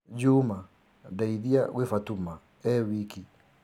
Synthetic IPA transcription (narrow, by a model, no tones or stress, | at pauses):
d͡ʒuːma | daiðiaɣwefatuma | ɛwiki